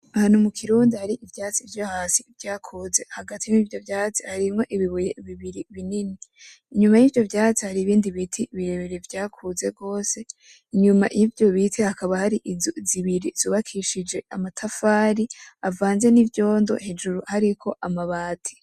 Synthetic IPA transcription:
ahan̥umukʰiɾuːndihaɾiʔivjaːt͡sivjahaːsivjaːkʰuːze̞haɡatʰimiːvjo̞vjaːt͡si̥haɾimŋo̞ʔiβiβujeβiβiɾiβinini | iɲumajiːvjo̞vjaːt͡sihaɾiːβiːndiβitʰiβiɾeβeɾevjaːkʰuze̞bɡo̞ːse̞ | iɲuma̰jʔivjo̞βitʰehakʰaβahaɾiʔzoziβiɾiz̥uːβakʰiʃid͡ʒe̞amatʰafaːɾiavaːnze̞nivjo̞ːndo̞̰he̞d͡ʒuɾuhaɾikʰo̞ʔamaβaːtʰi̥

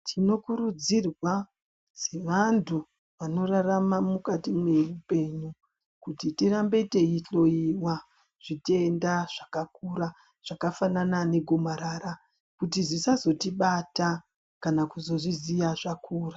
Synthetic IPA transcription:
tʰino̞kuɾud͡zirwa | se̞ʋantʰu | ʋano̞raramamukatimwe̞rupe̞ɲu | kutitiɾambe̞te̞iɬo̞iwa | ʐ̥itiendaʐ̥akakuɾa | ʐ̥akafananane̞ɡʱomaɾaːɾa | kutizisazo̞tiɓata | kanakuzo̞ʐizijaʐakʰuːra

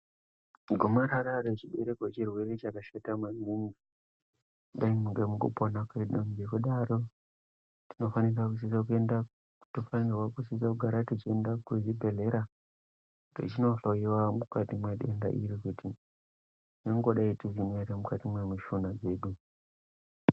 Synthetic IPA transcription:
ɡʱomaɾaɾaɾet͡ʃiɓeɾekot͡ʃirwe̞ɾe̞t͡ʃakaʃatamaninɡi | ɗaimuŋɡemukṵponakeɗomɡekuɗaro̞ | tino̞fanirakus̬is̬ak̬ue̞nda | tufanirwakusis̬akuɡʱaɾatit͡ʃiendakuzibʱe̞le̞ɾa | to̰t͡ʃino̞ɬoiwamukatimweɗe̞nda̰ʔiɾikuti | noŋɡoɗaitizineɾemukatimwemiʃunad͡zeɗu

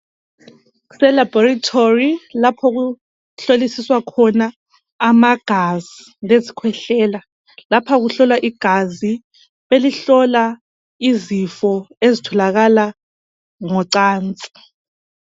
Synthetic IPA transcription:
sɛlabɔratʰorilapʰɔɣu | ɬolisiswakʰɔnaː | maɡ̥ʱazi | lezikʰwɛɬɛːla | lapʰaɣuɬɔlwaʔiɡ̥ʱazi | βeliɬɔla | izifɔezitʰɔlaɣala | ŋɔǀaːnt͡sʼi̥

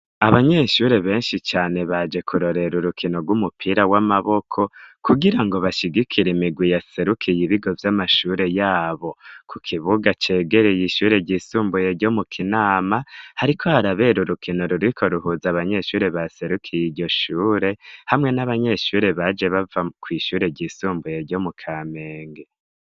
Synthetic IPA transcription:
aβaɲe̞ʃuɾe̞βe̞ːnʃit͡ʃaːne̞βad͡ʒe̞kʰuɾo̞ɾe̞ɾuɾukino̞ɡwumupʰiːɾawamaβo̞kʰo̞kuɡiɾaŋɡo̞βaʃiɡikʰiɾemiɡwijase̞ɾukʰijiβiɡo̞vjamaʃuɾe̞jaːβo̞kʰukʰiβuɡat͡ʃe̞ːɡe̞ɾe̞jiʃuːɾe̞ɟisuːmbujeɟo̞mukʰinaːmahaɾikʰo̞haɾaβe̞ɾuɾukʰinoɾuɾwikʰo̞ɾuhuzaβaɲe̞ʃuːɾe̞βase̞ɾukʰijiɟo̞ʃuːɾe̞hamŋe̞naβaɲe̞ʃuɾe̞βad͡ʒe̞βavakwiːʃuːɾe̞ɟisuːmbujeɾɟo̞mukʰaːmeːŋɡe

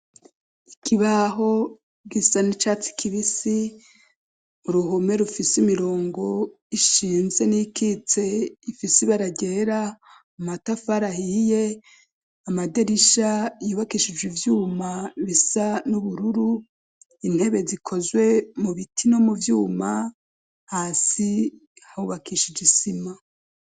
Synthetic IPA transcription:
ikʰiβaɦo̞ | ɡisanit͡ʃaːt͡si̥kʰiβisi | muɾuɦome̞ɾufisimiɾo̞ːŋɡo̞ | iʃiːnze̞nikit͡se̞ifisiβaɾaɟe̞ːɾa | umatafaɾahije̞ | amadeɾiʃajuːβakiʃid͡ʒwivjuːmaβisanuβuɾuɾu | in̥he̞βe̞zikʰo̞zwe̞muβitʰino̞muvjuːma | haːsi | hahuβakiʃid͡ʒisima

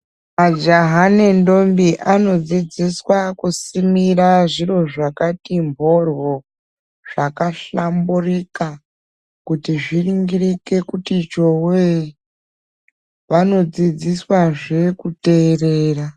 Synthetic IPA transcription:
mad͡ʒaɦanendo̞mbiʔano̞d͡zid͡ziswakusimiraʐiro̞ʐakatimbʱo̞rwo̞ | ʐ̥akaɬamburika | kutiʐiriŋɡirike̞kutit͡ʃo̞we | ʋano̞d͡zid͡ziswaʐe̞kute̞ːreːra

